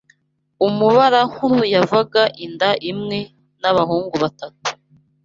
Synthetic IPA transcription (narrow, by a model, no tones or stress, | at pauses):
umuβaɾaŋ̥uɾujavaɡaʔindaʔimŋe̞ | naβaɦuːŋɡuβatatu̥